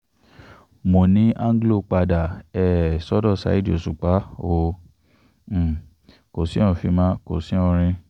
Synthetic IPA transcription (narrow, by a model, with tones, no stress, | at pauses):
mo˨nĩ˨˦ʔã˦ŋ˦ɡlo˦˨k͡pa˧da˨ɛ˨sɔ˦dɔ˦˨sa̰˨˦i˦di˦o̰˨su˨k͡pa˨˦o˦˧˨ | ko˨sĩ˦ɔ̃˦˨fi˧mã˦ko̰˨sĩ˦ɔ̃˦˧ɾ̃ĩ˧